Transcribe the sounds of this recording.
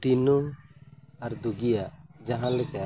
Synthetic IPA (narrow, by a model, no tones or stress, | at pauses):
t̪inu | aɾd̪uɡijaʔd͡ʒaɦãlɛka